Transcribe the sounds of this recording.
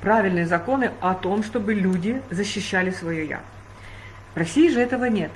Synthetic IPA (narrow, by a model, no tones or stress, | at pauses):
pɾavʲɪlʲnɨjəzɐko̞nɨɐt̪o̞mʂt̪o̞bɨlʲudʲɪzəɕːɪɕːælʲɪsvɐjoja̰ | vrɐsʲijɪʐɨɛt̪əvənʲe̞t̪̚